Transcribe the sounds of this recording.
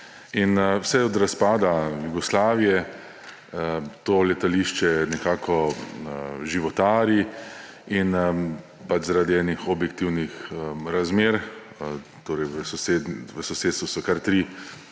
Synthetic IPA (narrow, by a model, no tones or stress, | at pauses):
inwsɛɔd̪ɾaspaːd̪ajuɡɔslaːʋijɛ | t̪oːlɛt̪aliʃt͡ʃɛnɛkaːkʰɔ | ʒiʋɔt̪aːɾi | in | pat͡ʃzaɾaːd̪iɛːnixɔbjɛkt̪iwnixɾazmeːɾ | t̪oːɾɛjʋəsɔsed̪ʋəsɔseːt̪st̪ʋusɔkaɾt̪ɾi